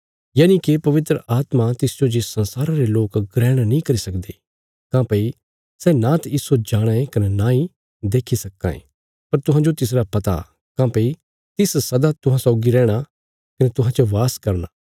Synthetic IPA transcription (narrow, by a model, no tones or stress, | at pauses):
jaːnĩkipɐʋɪt̪ɾəʔaːt̪mat̪ɪsd͡ʒod͡ʒesɐ̃nsaːɾãɾeloːkɡɾɛːɽ̃anĩkɐɾisɐkd̪eː | kãːpɐi | sɛnãt̪ɪsod͡ʒaːɽ̃ãẽkɐnenãːĩ | d̪eːkʰisɐkːã̰ḛ̃ | pɐɾt̪ʊɦãd͡ʒot̪ɪs̬ɾapɐt̪a̰ | kãːpɐi | t̪ɪssɐd̪at̪ʊɦãsɔːɡiɾɛːɽ̃a | kɐnɛt̪ʊɦãt͡ʃoʋaːskɐɾnaː